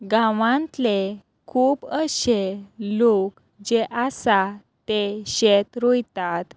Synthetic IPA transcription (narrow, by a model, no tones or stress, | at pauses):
ɡãʋãnt̪le | kʰuːbəɕelok | d͡ʑeʔasa | t̪eɕet̪ɾojt̪at̪